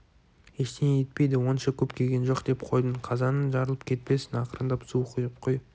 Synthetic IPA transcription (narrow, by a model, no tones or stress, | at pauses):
eʃt̪enejet̪̚pe̞jd̪ɪwo̞nʃɑkʲʰɵpkʲʰe̞ɡʲe̞nʒo̞qd̪̥e̞pqʰo̞jd̪əɴqʰɑzɑnənʒɑɾəlˠəp̚kʲʰe̞t̪̚pe̞sɪnɑqəɾənd̪ɑpsuqʰujəp̚qʰo̞j